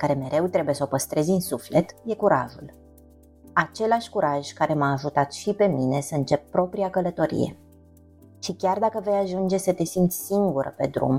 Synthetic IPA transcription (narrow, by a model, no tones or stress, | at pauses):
kaɾe̞me̞ɾʔe̞wt̪ɾe̞bujesopəst̪ɾe̞zʲɨnsufle̞t̪je̞kuɾaʒul | at͡ʃe̞laʃʲkuɾaʒ̥kaɾe̞maːʒut̪at̪ʃipe̞mine̞səɨnt͡ʃe̞p̚pːɾo̞pɾiakələt̪o̞ɾḭje̞̰ | ʃikʲard̪akəve̞jaʒund͡ʒe̞sət̪e̞sint̪sʲsiŋɡuɾə̰pe̞d̪ɾṵm